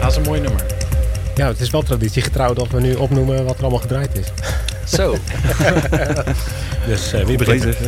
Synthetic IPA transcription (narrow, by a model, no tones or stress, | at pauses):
aɪsənmoːjnømə̰ɹjaətɪsʋɛlˠtraditsiχətrawdɔtʋənyʔɔpnuməʋɔtərɔlˠmalˠχədrajtɪs | sow | døsʋibəχ